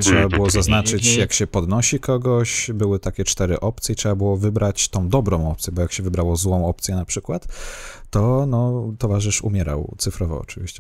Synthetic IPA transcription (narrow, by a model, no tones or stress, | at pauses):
tʂɛbabɘwɔzaznat͡ʂɘt͡ɕjakɕɛpɔd̪nɔɕikɔɡɔɕbɘwɘt̪akʲɛt͡ʂt̪ɛɾɘ̰ʔɔp̚t̪sʲjɛtʂɛbabɘwɔvɘbɾat͡ɕt̪ɔ̃w̃d̪ɔbɾɔ̃w̃ɔpt̪sʲjɛbɔjakɕɛvɘbɾawɔzwɔ̃w̃ɔp̚t̪sjɛnapʂɘkwat̪ː | ɔnɔt̪ɔvaʐɘʂṵmʲjɛɾa̰wt̪sɘfɾɔvɔ̰ɔ̰t͡ʂɘvʲḭɕt͡ɕɛ